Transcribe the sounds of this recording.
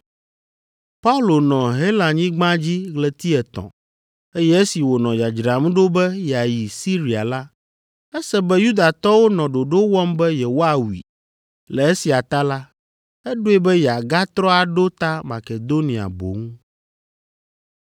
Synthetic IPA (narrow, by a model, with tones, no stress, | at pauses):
pa˦u˦lo˨nɔ̃˨ɦe˦lã˨ɲĩ˦ɡ͡bã˦d͡ʑi˦ɣlɛ˨t̪i˦ɛ˨t̪ɔ̰̃˨ | e˦jɛ˦e˦si˨wo˨nɔ̃˨ja˨d͡ʒɾa˨m˦ɖo˦bɛ˦jɛ˨a˨ji˨si˦ɾi˨a̰˨la˦ | ɛ˦sɛ˦bɛ˦ju˦d̪a˨t̪ɔ˦wo˦nɔ̃˨ɖo˨ɖo˦wɔ˦mbɛ˦jɛ˨wo˦a˨wḭ˨ | lɛ˨e˦si˨a˨t̪a˦la˦ | ɛ˦ɖo˦e˦bɛ˦jɛ˨a˨ɡa˦t̪ɾɔ˦a˨ɖo˦t̪a˦ma˨ke˨d̪o˦nĩ˨a̰˨bo̰˨ŋũ˦